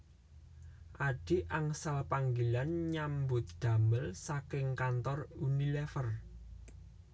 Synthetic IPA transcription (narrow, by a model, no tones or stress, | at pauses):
ʔaɖ̥iʔaŋsalpaŋɡilanɲambʊt̪̚d̪̥a̤məlsakɪŋkant̪ɔrunilɛfər